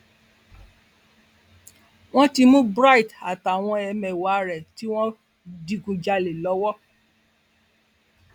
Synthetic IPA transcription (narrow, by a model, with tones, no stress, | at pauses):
w̃ɔ̃˦ti˧mũ˦bɾa˦i˨ta˨ta˨w̃ɔ̃˧ɛ˧mɛ̃˨wa˨ɾɛ˨ti˦w̃ɔ̃˦ | di˧ɡũ˨˧d͡ʒa˧le˨lɔ˨˦wɔ˦